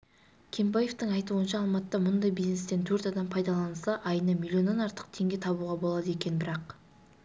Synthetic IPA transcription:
kʲʰembɑje̞ft̪əŋɑjt̪uənʃɑːlˠmɑt̪ːɑmʊnd̪ɑjbizne̞st̪e̞nt̪ʰɵɾt̪ɑd̪ɑmpʰɑjd̪ɑlˠɑnəsɑʔɑjnəmʲilʲːio̞nːɑnɑɾt̪ə̥qt̪ʰe̞ŋɡʲe̞t̪ʰɑbuʁɑbo̞lˠɑd̪əe̞kʲe̞nbɪɾɑq

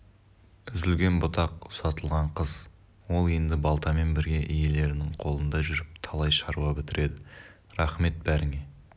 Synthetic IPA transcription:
ʏzɪlɡʲe̞nbʊt̪ɑqsɑt̪əlˠʁɑɴqʰəz̥ | wo̞lˠe̞nd̪ɪbɑlˠt̪ɑme̞nbɪɾɡʲe̞ʔije̞le̞ɾɪnɪŋqʰo̞lˠənd̪ɑʒʏɾɪp̚t̪ʰɑlˠɑjʃɑɾuʁɑbɪt̪ɪɾe̞d̪ɪ | ɾɑχme̞t̪̚bæɾɪŋe̞

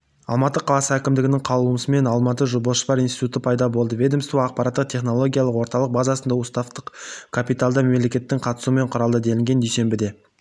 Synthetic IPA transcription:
ɑ̰lˠmɑt̪ːəqʰɑlˠɑsəækʲɪmd̪ɪɡʲɪnɪŋqʰɑlˠuəməsəme̞nɑlˠmɑt̪əʒoboʃə̥pɑɾinsi̥t̪ut̪əpʰɑjd̪ɑbo̞lˠd̪əvʲe̞d̪e̞mst̪uɑq̚pɑɾat̪ːəqt̪ʰe̞χno̞lˠo̞ɡʲijalˠəqwo̞ɾt̪ɑlˠəq̚bazɑsənd̪ɑʊst̪ɑft̪əqkʰapijt̪alˠd̪əmemle̞kʲe̞t̪ːɪŋqʰɑt̪ə̥sume̞ɴqʰʊɾɑlˠd̪əd̪e̞lɪŋɡʲe̞nd̪ejse̞mbɪd̪e̞

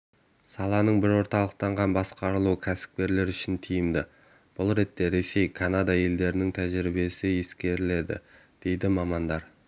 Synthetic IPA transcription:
sɑlˠɑnəɴbɪɾwo̞ɾt̪ɑlˠəq̚t̪ɑɴʁɑnbɑsqɑɾəlˠuəkʲʰæsɪ̥p̚kʲe̞ɾle̞ɾʏʃɪnt̪ʰijɪmd̪ɪ | b̥ʊlˠɾe̞t̪ːe̞ɾe̞se̞jkʰanad̪ɑje̞ld̪e̞ɾɪnɪŋt̪ʰæʒɪɾɪbe̞sɪje̞skʲe̞ɾɪle̞d̪ɪ̰ | d̪̥e̞jd̪ɪmɑmɑnd̪ɑɾ

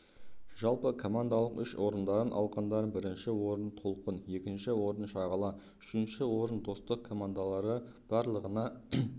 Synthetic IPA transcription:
ʒ̥ɑlˠpəkʰo̞mand̪alˠəqʏʃwʔo̞ɾənd̪ɑɾənʔɑ̰lˠqɑnd̪ɑɾəbɪɾɪnʃɪwo̞ɾənt̪ʰo̞lˠqənje̞kʲɪnʃɪwo̞ɾənʃɑʁɑlˠɑ | ʏ̥ʃɪnʃɪwo̞ɾənd̪o̞st̪əq̚kʰo̞mand̪alˠɑɾə | b̥ɑɾlˠəʁənɑ

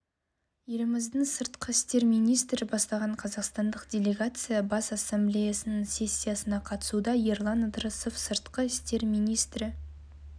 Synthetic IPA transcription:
jeɾɪmɪzd̪ɪŋsəɾt̪qəɪst̪e̞ɾmijnijst̪ɾɪbɑst̪ɑʁɑɴqʰɑzɑqst̪ɑnd̪əqd̪ʲe̞lʲe̞ɡat̪sɨjɑbɑsasːemblʲe̞jasənəŋsʲe̞sʲːijasənɑqʰɑt̪ə̥sud̪ɑjeɾlˠɑnəd̪ɾəso̞fsəɾt̪qəɪst̪e̞ɾmijnijst̪ɾɪ

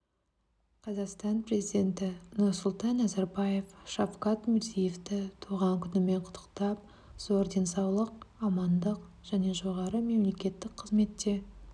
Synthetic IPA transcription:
qʰɑzɑqst̪ɑnpre̞zijd̪ʲe̞nt̪ɪnʊɾsʊlˠt̪ɑnːɑzɑɾbɑje̞fʃafqɑt̪mɪɾzijeft̪ɪt̪ʰuʁɑŋkʲʰʏnɪme̞ɴqʰʊ̥t̪ʰːə̥qt̪ɑp̚ | z̥o̞ɾd̪e̞nsɑwlˠəqɑmɑnd̪əq | ʒ̥æne̞ʒo̞ʁɑɾəme̞mle̞kʲe̞t̪ːɪk̚qʰəzme̞t̪ːe̞

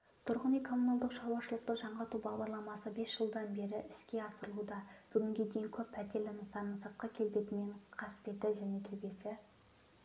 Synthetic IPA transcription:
t̪ʰʊɾʁənijkʰo̞munalˠd̪əqʃɑwɑʃəlˠəq̚t̪əʒɑɴʁɑɾt̪ubɑʁd̪ɑɾlˠɑmɑsəbe̞sʒ̥əlˠd̪ɑnbe̞ɾɪʔɪskʲe̞ɑsəɾəlˠud̪ɑb̥ʏɡʲɪŋɡʲe̞d̪ejɪŋkʲʰɵpːʰæt̪e̞lɪnəsɑnəsəqːɑkʲʰe̞lbe̞t̪ɪme̞ɴqʰɑsɪ̥p̪e̞t̪ɪʒæne̞t̪ʰɵbe̞sɪ

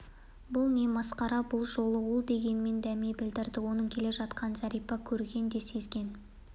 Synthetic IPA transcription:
bʊlˠne̞mɑsqɑɾɑbʊlˠʒo̞lˠəwolˠd̪e̞ɡʲe̞nme̞nd̪æme̞bɪld̪ɪɾd̪ɪwo̞nəɴkʲʰe̞le̞ʒɑt̪qʰɑnzæɾijpɑkʲʰɵɾɡʲe̞nd̪e̞se̞zɡʲe̞n

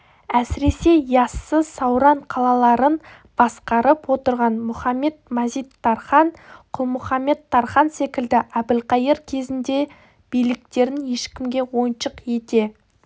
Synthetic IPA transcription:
æsɪɾe̞se̞jɑsːəsɑwɾɑɴqʰɑlˠɑlˠɑɾən | b̥ɑsqɑɾəpwo̞t̪əɾʁɑnmʊχɑmːe̞t̪mæzijt̪ʰːɑɾχɑnqʰʊlˠmʊχɑmːe̞t̪ʰːɑɾχɑnse̞kʲɪld̪ɪʔæb̪ɪlqɑjəɾkʲʰe̞zɪnd̪e̞ | b̥ijlɪk̚t̪e̞ɾɪnje̞ʃkʲɪmɡʲe̞wo̞jənʃəqje̞t̪e̞

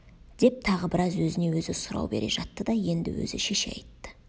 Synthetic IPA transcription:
d̪e̞p̚t̪ʰɑʁəbɪɾɑzwɵzɪne̞wɵzɪsʊɾɑ̰wbe̞̰ɾʔe̞̰ʒɑt̪ːəd̪ɑje̞nd̪ɪ̰wɵ̰zɪ̰ʃe̞ʃḛjt̪ːɪ̥

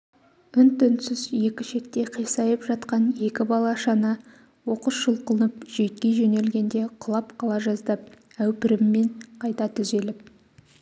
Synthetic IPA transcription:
ʏnt̪ʰʏnsɪzje̞kʲɪʃe̞t̪̚t̪ːe̞qʰijsɑjəpʒɑt̪qɑnje̞kʲɪbɑlˠɑʃɑnə | wo̞qəʃʒəlˠqəlˠənəpʒ̥e̞t̪̚kʲe̞ʒɵne̞lɡʲe̞nd̪e̞qʰʊlˠɑpqʰɑlˠɑʒɑzd̪ɑp̚ | æwpɪɾɪmːe̞ɴqʰɑjt̪ɑt̪ʰʏze̞lɪp̚

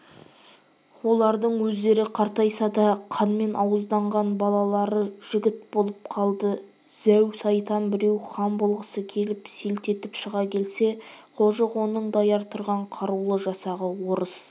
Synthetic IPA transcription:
wo̞lˠɑɾd̪əɴwɵzd̪e̞ɾɪqʰɑɾt̪ɑjsɑd̪ɑqʰɑnme̞nʔɑwəzd̪ɑɴʁɑnbɑlˠɑlˠɑɾəʒ̥ɪɡʲɪt̪̚bo̞lˠəp̚qʰɑlˠd̪ə | z̥æwsɑjt̪ɑnbɪɾe̞wχɑmbʊlˠʁəsəkʲʰe̞lɪpselt̪e̞t̪ɪpʃəʁɑkʲʰe̞lse̞qʰolˠʒəʁo̞nəɴd̪ɑjɑɾt̪ʰʊɾʁɑɴqʰɑɾulˠəʒɑsɑʁəwo̞ɾəs

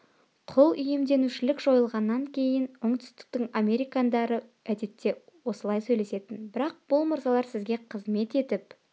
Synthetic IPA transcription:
qʰʊlˠʏje̞md̪e̞nuʃɪlɪkʒ̥o̞jəlˠʁɑnːɑŋkʲʰe̞jɪnoɴt̪ʏ̥st̪ɪ̥k̚t̪ɪɴamʲe̞ɾijkand̪ɑɾəæd̪e̞t̪ːe̞wo̞səlˠɑjsɵjle̞se̞t̪ɪnbɪɾɑq̚b̥ʊlˠmʊɾzɑlˠɑɾsɪzɡʲe̞qʰəzme̞t̪e̞t̪ɪp

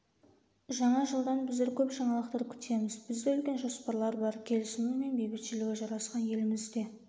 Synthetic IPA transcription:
ʒɑɴɑʒəlˠd̪ɑnbɪzd̪eɾkʲʰɵpʒɑɴɑlˠəq̚t̪ɑɾkʲʰʏ̥t̪ʰe̞mɪzbɪzd̪eʏlkʲe̞nʒo̞spɑɾlˠɑɾbɑɾkʲʰe̞lɪsɪnume̞nbejbɪt̪ʃɪlɪɡʲɪʒɑɾɑsqɑnje̞lɪmɪzd̪e̞

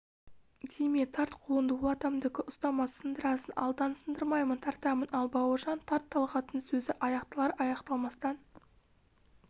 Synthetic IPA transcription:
d̪ejmek̚t̪ʰɑɾt̪qʰolˠənd̪əwʊlˠɑt̪ɑmd̪ɪkʲɪʔʊst̪ɑmɑsənd̪əɾɑsənʔɑ̰lˠd̪ɑnsənd̪əɾmɑjmənt̪ʰɑɾt̪ɑmənʔɑlˠbɑwəʒɑnt̪ʰɑɾt̪ʰːɑlˠʁɑt̪ənsɵzɪʔɑjɑqt̪əlˠɑɾɑjɑqt̪ɑlˠmɑst̪ɑn

